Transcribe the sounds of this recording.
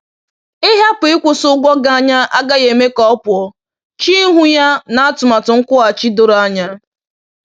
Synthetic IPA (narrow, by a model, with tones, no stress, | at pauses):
ɪ˦ɦa˦pʊ˨ɪ˦kʷʊ˨sʊ˦ɡʷɔ˦ɡa˦a˦ɲa˦ʔa˦ɡa˦je˨me˦kɔ˦ɔ˦pʊ˨ɔ˦ | t͡ʃi˦ɦu˦ja˦na˨a˦tʊ˨ma˨tʊ˨ŋ̩˦kʷʊ˦a˨t͡ʃi˦do˨ɾa˦ɲa˦